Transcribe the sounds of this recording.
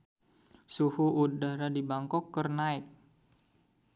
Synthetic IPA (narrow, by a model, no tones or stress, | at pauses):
suhuudaɾadibaŋkɔkːərnaɪk̚